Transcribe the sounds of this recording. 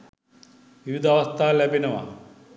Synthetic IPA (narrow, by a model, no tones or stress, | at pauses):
ʋiʋid̪aʋast̪aːlæbenəʋa̰